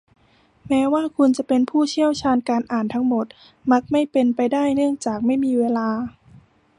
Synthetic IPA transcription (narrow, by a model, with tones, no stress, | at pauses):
mɛː˦˥waː˥˩kʰu˧nt͡ɕa˨˩pe˧npʰuː˥˩t͡ɕʰi˥˩əwt͡ɕʰaː˧nkaː˧nʔaː˨˩nt̪ʰa˦˥ŋmo˨˩˦t̪̚ | ma˦˥k̚ma˥˩jpe˧npa˧jdaː˥˩jnɯ˥˩əŋt͡ɕaː˨˩k̚ma˥˩jmiː˧weː˧laː˧